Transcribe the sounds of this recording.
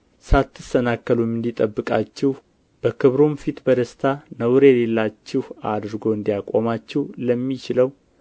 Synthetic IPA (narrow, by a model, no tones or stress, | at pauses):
sat̪ʰːɨst̪ənakːəlumɨnd̪it̪ʼəbːɨkʼat͡ʃːɪh | b̥əkʰɨβɾomfit̪bəd̪əst̪ʰanəwɾele̞lːat͡ʃːɪhad̪ɾɨɡo̞ɨnd̪ijakʼo̰mat͡ʃːɪhləmːit͡ʃɪləw